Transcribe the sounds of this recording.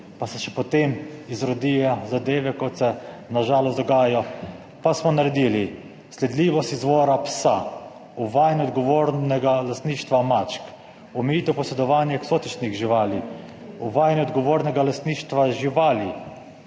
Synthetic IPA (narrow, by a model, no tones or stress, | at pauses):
pasɛʃɛpɔt̪emizɾɔd̪ijazad̪eːʋɛkɔt̪sɛnaʒaːlɔsd̪ɔɡaːjɔ | pasmɔnaɾɛd̪ili | slɛd̪liːʋɔst̪izʋoːɾapsa | uʋaːjniɔd̪̚ɡɔʋoːɾnɛɡalast̪niːʃt̪ʋamat͡ʃk | ɔmɛjiːt̪ɛwpɔsɛd̪ɔʋaːnjɛksoːt̪it͡ʃniɣʒiʋaːli | uʋaːjniɔd̪ɡɔʋoːɾnɛɡalast̪niːʃt̪ʋaʒiʋaːli